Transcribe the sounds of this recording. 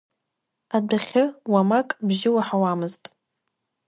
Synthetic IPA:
adaχʲɪwamakʼbʒɪwaħawamɨztʼ

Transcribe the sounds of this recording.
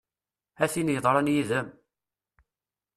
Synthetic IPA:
æθinjəðˤɾˤənjiðəm

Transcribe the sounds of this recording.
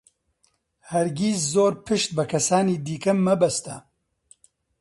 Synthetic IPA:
hɛɾɡʲiːszoːɾpʰɨʃt̪̚bɨkʰɐsaːniːd̪iːkɐmːɐbɛst̪ɐ

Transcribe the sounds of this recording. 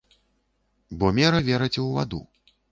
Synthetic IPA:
bɔmʲɛɾɐvʲɛɾɐt͡sʲɛwva̰d̪ṵ

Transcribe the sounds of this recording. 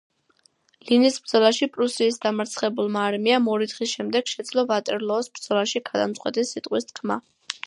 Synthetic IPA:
linisb̥ɾd̪zɔlˠaʃipʼɾusiːsd̪amaɾt̪sʰχɛbulˠmaːɾmiamɔɾid̪χisʃɛmd̪ɛɡ̥ʃɛd̪zlˠɔvat̪ʼɛɾlˠɔːsb̥ɾd̪z̥ɔlaʃiɡad̪amsʼqʼwɛ̰t̪ʼisːit̪ʼqʼwist̪̚ʰkʰma̰

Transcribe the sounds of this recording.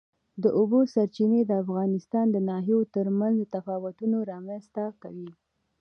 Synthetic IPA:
d̪əʔobosaɾt͡ʃined̪əafɣɑnɪst̪ɑnd̪ənɑɦiot̪əɾmanzd̪ət̪afɑwʊt̪unoɾɑmanst̪akawi

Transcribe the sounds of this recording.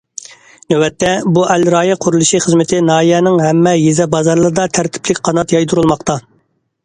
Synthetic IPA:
nøwɛt̪ːɛbuʔɛlɾɑːjɛqʰʊɾulˠuʃiχəzmɪt̪ʰɪnɑːjɛnɪŋɦɛmːɛjezɛbɑzɑɾlˠɨɾɨd̪ɑt̪ʰæɾt̪ʰɪ̥plɪkʲqʰɑnɑt̪jɑjt̪ʰuɾulˠmɑqt̪ɑ

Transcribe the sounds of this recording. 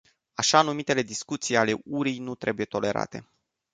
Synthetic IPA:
aʃanumit̪e̞le̞d̪iskut̪sijale̞uɾijnut̪ɾe̞buje̞t̪o̞le̞ɾa̰t̪e̞̰

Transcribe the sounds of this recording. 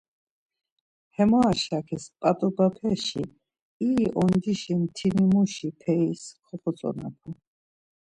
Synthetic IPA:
hɛmaːʃakʰɛspʼat̪ʼɔbapʰɛʃi | iʔɔnd̪iʃimt̪ʰinimuʃipʰɛiskʰɔχɔsʼɔ̰na̰pʰa

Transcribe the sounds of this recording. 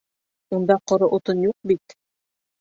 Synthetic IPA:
und̪ɑqŏɾɤʔŏt̪ɤnjuq̚bit̪

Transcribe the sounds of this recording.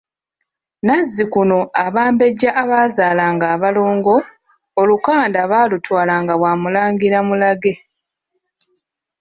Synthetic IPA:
nazːikuno̞aβaːmbe̞ɟːaʔːβaːzaːlaːŋɡaːβalo̞ːŋɡo̞ː | lukaːndaβaːlutwaːlaŋɡaβwaːmulaːŋɡiɾamulaɡe̞

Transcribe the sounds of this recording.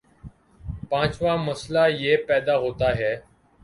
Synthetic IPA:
pãːt͡ʃʋaːməslaːjeːpɛːd̪aːɦoːt̪aːɦɛː

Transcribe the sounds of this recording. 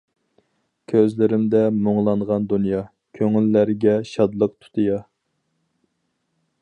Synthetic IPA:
kʲʰøzlɪɾɪmd̪ɛmoŋlˠɑnʁɑnd̪unjɑ | kʲʰøŋylːæɾɡʲɛʃɑd̪lˠəq̚t̪ʰu̥t̪ʰɨjɑ

